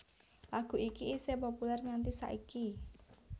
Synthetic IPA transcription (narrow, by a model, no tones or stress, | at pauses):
laɡ̥ṳʔikiːsepopulɛrŋant̪isa̰ʔiki